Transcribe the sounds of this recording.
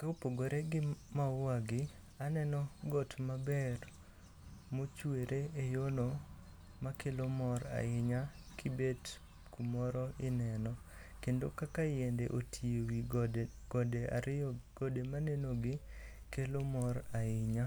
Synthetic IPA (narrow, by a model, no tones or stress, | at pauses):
kaupoɡoɾʔeɡɪmawaɡɪ | anɛnɔɡɔtmabɛr | mot͡ʃweɾʔeejono | makelomɔɾa̰ɪɲakʰɪbed | kumɔɾɔɪnɛnɔ | kendo̰kakajendeʔotʰiowiɡ̥ɔdea̰ɾɪɔɡ̥odemanenoɡɪkelomɔɾaɪɲa